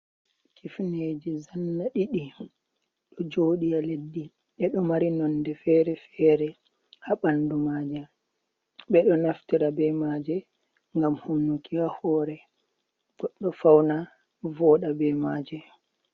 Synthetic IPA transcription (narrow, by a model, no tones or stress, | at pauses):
kʰifned͡ʒizanːaɗiɗi | ɗɔd͡ʒoːɗijaledːi | ɓɛɗɔmaɾinɔndɛfɛːɾɛfɛːɾɛ | haɓandumaːd͡ʒɛ | ɓɛɗɔnaftiɾabɛmaːd͡ʒɛ | ŋɡamhunːukiahɔːɾɛ | ɡ̥ɔɗːɔfawna | vɔːɗabɛmaːd͡ʒɛ